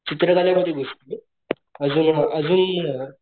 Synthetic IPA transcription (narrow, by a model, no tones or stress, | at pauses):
t͡ɕit̪ɾəkaljaməd̪ʱːjeɡʱoʂʈie | əd͡zuːnəd͡zuːn